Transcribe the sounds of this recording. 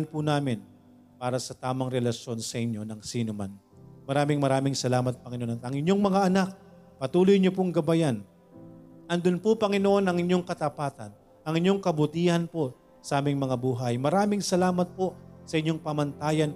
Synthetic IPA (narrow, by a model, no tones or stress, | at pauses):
npʊnaːmɪn | paːɾɐsɐt̪aːmɐŋɾɛlɐʃjo̞nsɐʔɪɲːo̞nɐŋsiːnoman | mɐɾaːmɪŋmɐɾaːmɪŋsɐlaːmɐt̪̚pɐŋɪnoonɐɐŋɪɲːo̞ŋmɐŋaʔɐnak̚pɐt̪uːlojɲopoŋɡɐbajan | ʔɐnd̪ʊnpʊpɐŋɪnoʔo̞nɐŋɪɲjo̞ŋkɐt̪ɐpaːt̪ɐ̰n | ʔɐŋɪɲːo̞ŋkɐbʊt̪iːhɐnpo̞ | sɐʔaːmɪŋmɐŋabuːɦɐjmɐɾaːmɪŋsɐlaːmɐt̪̚po̞sɐʔɪɲːo̞ŋpɐmɐnt̪aːjɐn